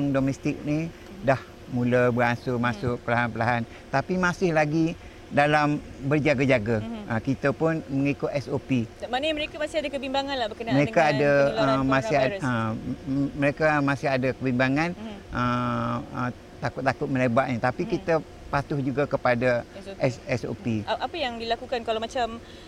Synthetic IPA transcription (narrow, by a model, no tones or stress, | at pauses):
ŋdomɛst̪ɪk̚ni | dah | muləbəɾansʊmasʊʔ̚pəlaɦanpəlaɦan | t̪apimasɪhlaɡi | dalambərd͡ʒaɡad͡ʒaɡaʔəkit̪əpʊnməŋikʊt̪ɛsopimanməɾekamasɪadəkəbimbaŋanlabəəməɾekaadəəmasɪhaə | məɾekamãsɪɦadakəbimbaŋãnʔə | ə | t̪akʊt̪akʊt̪̚mə̃lebaʔ̚ɲat̪apikit̪ə | pat̪ʊhd͡ʒuɡakəpadaʔɛsɛso̰piapəjaŋdilakukankalawmat͡ʃam